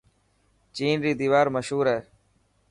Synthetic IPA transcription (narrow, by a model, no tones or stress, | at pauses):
t͡ʃiːnɾiːd̪iːʋaːɾməʃɦuːɾɛː